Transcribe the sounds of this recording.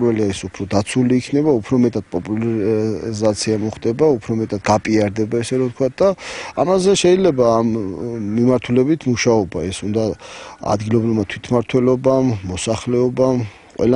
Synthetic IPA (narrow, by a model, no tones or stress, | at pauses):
ɾɛliaɛsupʰɾɔd̪at̪sʰuliːkʰnɛbaupʰɾɔmɛt̪ʼad̪̥̚pʼɔpʼul | zat̪sʰiamɔχd̪ɛbaupʰɾɔmɛt̪ʼad̪ɡapʼiaɾd̪ɛbaɛsɛɾɔt̪̚kʰwat̪̚ʰd̪aamazɛʃɛilɛbaːmːimaɾt̪ʰulɛbit̪ʰmuʃaɔbaɛsund̪aa̰d̪ɡilˠɔbɾivmat̪ʰwit̪ʰmaɾt̪ʰwɛlɔbamːɔsaχlɛɔbam | qʼwɛ̰l